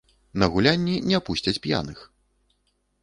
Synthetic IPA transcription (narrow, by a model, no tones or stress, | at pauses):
nɐɣulʲanʲːinʲɛapusʲt͡sʲɐt͡sʲpʲja̰nɨx